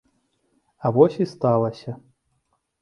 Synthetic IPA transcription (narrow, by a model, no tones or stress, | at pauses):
avɔsʲist̪alˠɐsʲɐ